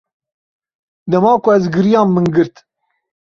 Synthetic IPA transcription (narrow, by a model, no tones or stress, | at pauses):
d̪ɛmɑːkʊɛzɡɨɾijɑːmmɨnɡɨɾt̪